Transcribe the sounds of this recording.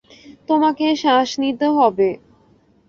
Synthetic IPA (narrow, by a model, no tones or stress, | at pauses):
t̪omakeʃaʃnit̪eɦɔbe